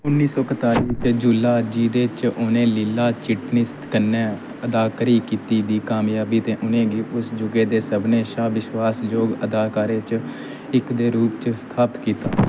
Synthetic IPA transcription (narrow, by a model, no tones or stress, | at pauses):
ʊnːiːsɔːkət̪aːɾiːt͡ʃd͡ʒuːlaːd͡ʒiːd̪eːt͡ʃoːnẽːlɪlːaːt͡ʃɪʈnɪst̪kənːeː | əd̪aːkɾiːkiːt̪iːd̪iːkaːmjaːbiːt̪eːʔʊnẽːɡiːʊsd͡ʒʊɡeːd̪eːsəbneːʃaːʋɪʃwaːsd͡ʒoːɡəd̪aːkaːɾeːt͡ʃ | ɪkd̪eːɾuːpt͡ʃst̪ʰaːpət̪kiːt̪aː